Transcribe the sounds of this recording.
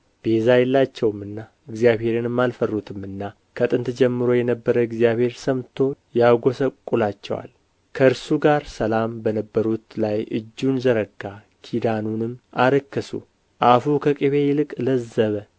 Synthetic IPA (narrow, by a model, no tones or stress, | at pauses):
b̥e̞zajɛlːat͡ʃːɛwmɨnːa | ɨɡzijaβhe̞ɾenɨmːalfərːut̪ʰɨmɨnːa | kʰət̪ʼɨnt̪ʰd͡ʒɛmːɨɾo̞jɛnəbːəɾəɨɡzijaβhe̞ɾsəmt̪ʰo̞jaɡo̞səkʼulat͡ʃːɛ̰wa̰l | kʰəɨɾsuɡaɾsəlambənəbːəɾut̪lajʔɨ̰d͡ʒːunzəɾəɡːa | kʰid̪anunɨmːaɾəkːəsṵ | ʔafukʰəkʼiβejɪlɨkʼləzəβə